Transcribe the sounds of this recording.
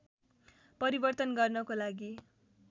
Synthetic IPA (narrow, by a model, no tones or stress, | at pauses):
pʌɾibʌrt̪ʌnɡʌrnʌkolaɡi